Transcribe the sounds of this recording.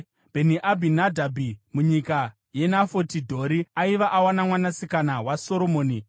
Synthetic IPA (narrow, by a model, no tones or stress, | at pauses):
bʱeniʔabʱinadʱabʱimuɲika | je̞nafotidʱo̞ɾiaiʋaʔawanamwanasikanawaso̞ɾomoːni